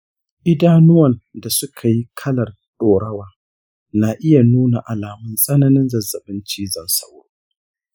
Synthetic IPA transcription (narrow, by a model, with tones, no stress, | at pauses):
ʔɪ˦daː˦nʊ˦wɐ˨nda˨sʊ˦kʰa˨ji˦kʰɐ˦lɐ˨r | ɗoː˨ɽɐ˦waː˦ | na˨ʔɪ˦ja˨nuː˦na˨ʔa˨laː˨mʊ˦nsʼɐ˦nɐ˦nɪ˦nzɐ˨zːɐ˨ɓɪ˦nt͡ʃiː˦zɐ˨nsɐ̰˦w